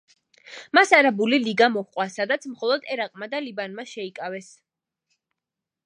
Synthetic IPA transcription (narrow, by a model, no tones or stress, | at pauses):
masaɾabuliliɡamɔhqʼwasad̪at̪sʰmχɔlˠɔd̪ɛɾaqʼmad̪alibanmaʃɛikʼavɛs